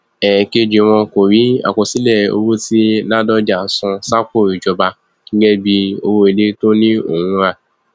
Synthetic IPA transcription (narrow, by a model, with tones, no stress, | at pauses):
ɛ˨ke˧d͡ʒe˨˧˨w̃ɔ̃˧ko˨ɾi˨˦a̰˨kɔ˨si˨˦lɛ˦˨o̰˧wo˦ti˦la˦dɔ˦d͡ʒa˨sɔ̃˧sa˦ko˦˨ɾi˨d͡ʒɔ˧ba˧ | ɡ̥ĩ˦ɡɛ˦bi˧o̰˧wo˧e˨le˦to˦nĩ˦o̰˨wũ˦ɾa˦˨